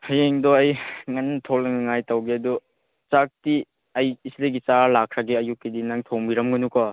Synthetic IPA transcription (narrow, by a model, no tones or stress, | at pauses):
hɐjeŋdɔɐjŋantʰolɐŋɐŋajtawɡeɐdu | t͡ʃak̚ti | ɐjːsleɡit͡ʃaɾalakʰɾaɡeɐjukːidinaŋtʰoŋbiɾɐmɡɐnukɔ